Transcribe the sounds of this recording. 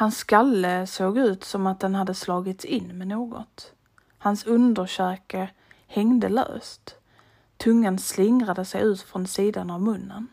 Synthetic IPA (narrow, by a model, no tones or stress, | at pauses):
hansɡalːəsoːɡʉ̟ːt̪sɔmat̪̚d̪ɛnhad̪ːəslɑːɡɪt̪sɪnːmɛnoːɡɔ̰t̪ | hansɵnd̪əʂœːkə | hɛŋd̪əlø̰ːst̪ | t̪ʰːɵŋːənslɪŋɾad̪əsɛjʉ̟ːt̪fɾɔnsiːd̪anavmɵnːən